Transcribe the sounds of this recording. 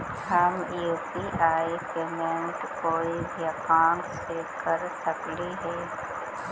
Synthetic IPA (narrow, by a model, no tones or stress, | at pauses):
həmjuːpiʔaːipeːmeɳʈkoːibʱijɐkãːn | sekɐɾsəkliɦɛː